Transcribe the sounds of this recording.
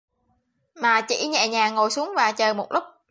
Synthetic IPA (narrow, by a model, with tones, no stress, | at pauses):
maː˨˩t͡ɕḭ˧˩ɲɛ̰˧˨ɲaː˨˩ŋo˨˩jsu˨˦əŋvaː˨˩t͡ɕəː˨˩mo˨˩t̚lʊ˦˥k͡p̚